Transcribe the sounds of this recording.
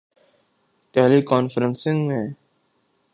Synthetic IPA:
ʈɛːlikɔːnfəɾə̃nsɪ̃ŋɡmẽ

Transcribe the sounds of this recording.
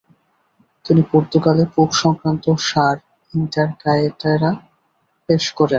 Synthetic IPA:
t̪inipoɾt̪uɡalepukʃɔŋkɾant̪oʃaɾ | inʈaɾkajeʈaɾa | peʃkoɾen

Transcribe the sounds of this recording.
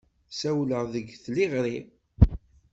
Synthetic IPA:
sæwləʁðəɡθliʁɾi

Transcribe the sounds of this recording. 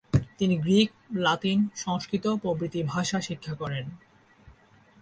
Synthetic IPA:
t̪iniɡɾik̚ | lat̪inʃɔŋʃkɾit̪opɾobɾit̪ibʱaʃaʃikʰːakɔɾen

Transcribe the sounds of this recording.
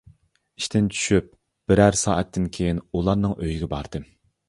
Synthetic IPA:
iʃt̪ʰɪnt͡ʃʰy̥ʃyp̚ | b̥ɪɾæɾsɑ̰ːʔɛt̪ʰːɪnkʲʰejinulˠɑɾnɨŋʔøjiɡʲɛbɑɾd̪̥ɨ

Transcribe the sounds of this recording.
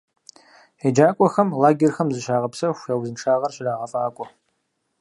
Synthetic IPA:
ħed͡ʒaːkʷʼɔxɐmlaːɡʲerxɐmzɨʃaːʁɐpsɐxʷewzɨnʈ͡ʂʰaːʁɐrɕɪraːʁɐfʼaːkʷʼɔ

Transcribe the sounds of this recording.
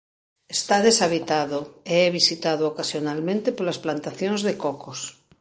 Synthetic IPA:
est̪aðesaβ̞it̪aðoeɛβisit̪að̞ookasjonalmẽnt̪epolasplant̪aθjõŋzðekɔkos

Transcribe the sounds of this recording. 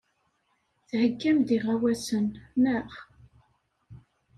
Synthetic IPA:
θhəkːæmd̪iʁawæsənnəχ

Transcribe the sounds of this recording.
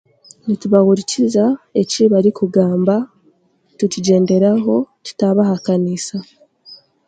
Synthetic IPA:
nituβaɣuɾicizae̞ciβaɾikuɡaːmba | tuciɟe̞ːnde̞ɾaɦo̞tu̥taβahakanisa

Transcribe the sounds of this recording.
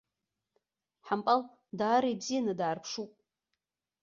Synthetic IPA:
ħampʼal | daːɾajbzijanɨdaːrpʰʂupʼ

